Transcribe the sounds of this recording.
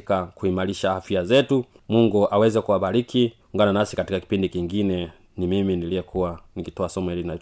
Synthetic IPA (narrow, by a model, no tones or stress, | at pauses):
kakuimaɾiʃaafiazɛtumuŋɡuʔawɛzɛkuabaɾikʰiuŋɡananasi̥katikaki̥pindikiŋɡinɛ | nimiminilijɛkʰuwaniɡitɔasɔmɔilina